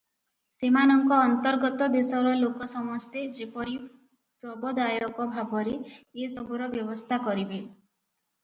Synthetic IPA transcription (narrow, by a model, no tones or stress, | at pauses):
semanɔŋkɔːnt̪ɔɾɡɔt̪ɔd̪esɔɾɔlokɔsɔmɔst̪ʰed͡ʒepɔɾi | pɾɔbɔd̪ajɔkɔbʱabɔɾeːsɔbʱuɾɔbjɔbɔst̪ʰakɔɾibe